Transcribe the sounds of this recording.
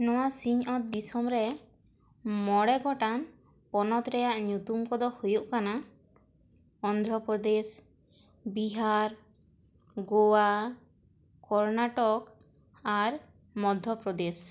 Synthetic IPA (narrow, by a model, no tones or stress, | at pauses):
nɔwasiɲɔt̪̚d̪isɔmɾɛ | mɔɽɛɡɔʈan | pɔnɔt̪ɾɛjaʔɲut̪umkɔd̪ɔhujuʔkana | ɔnd̪ʱɾɔpɾɔd̪es | biɦaɾ | ɡowa | kɔɾnaʈɔk | aɾ | mɔd̪ʱjɔpɾɔd̪es